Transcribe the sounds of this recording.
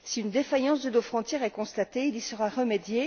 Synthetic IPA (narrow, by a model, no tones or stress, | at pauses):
siynd̪efajɑ̃s̬d̪əd̪ofχɔ̃t̪jɛʁɛkɔ̃st̪at̪eilisəʁaʁəmed̪je